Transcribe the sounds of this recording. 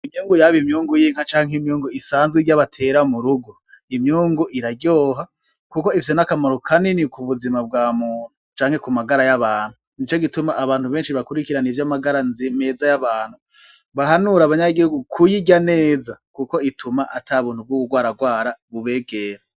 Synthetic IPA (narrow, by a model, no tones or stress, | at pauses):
imɲuːŋɡujaβimɲuːŋɡujiːŋ̥hat͡ʃaːŋɦimɲuːŋɡuisaːnzɡiɡjaβatʰe̞ːɾamuɾuɡo | imɲuːŋɡuʔiɾaɟo̞ːɦa | kukoifi̥s̬enakamaɾokʰaninikuβuzimab̚ɡaːmuːn̥ut͡ʃaːŋhe̞kumaɡaɾajaβaːn̥hunit͡ʃo̞ɡitumaʔːβaːnhuβe̞ːnʃiβakuɾikiɾanivjamaɡaɾanzimeːzajaβaːn̥hu | βaɦanuɾaβaɲaɡihuɡukʰujiɟane̞ːzakuko̞itʰumaʔatʰaβuːn̥hub̚ɡukuɡwaːɾaɡwaːɾaβuβe̞ːɡeːɾa